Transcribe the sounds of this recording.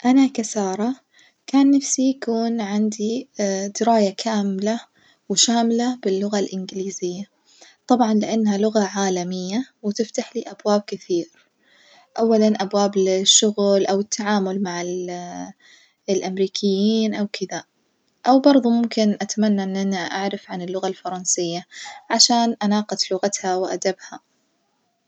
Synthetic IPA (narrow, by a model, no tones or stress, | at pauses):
ʔanakasɑːɾˤɑ | kaːnːafsijakuːnʕɪnd̪id̪̥ɪɾaːjakʰaːmla | wʃaːmlabɪlːʊɣalʔɪnɡɪliːzɪjːa | t̪ˤɑbʕɑnlɪʔanːhalʊɣaʕaːlamɪjːawɪt̪ɪft̪aħliːʔabwaːb̚kɪθiːɾ | ʔawːalanʔabwaːblɪʃːʊɣlʔawɪt̪ʰːaʕaːmʊlmaʕɪl | lʔamɾiːkʰɪjːiːnʔawkʰɪða | ʔawbɑɾˤðˤumʊmkɪnʔat̪amanːaʔɪnːʔanaʔa̰ʕɾɪfʕanɪlːʊɣalfɑɾˤɑnsɪjːaʕaʃaːnʔanɑːqɑt̪lʊɣat̪hawɪʔad̪abha